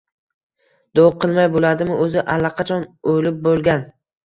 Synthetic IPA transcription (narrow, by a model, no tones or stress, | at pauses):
d̪̥oqʰɨlˠmajbolad̪ɪmɪʔɵzɪʔalːɑqʰɑt͡ʃʰɒnojlɪp̚bolˠɡʲan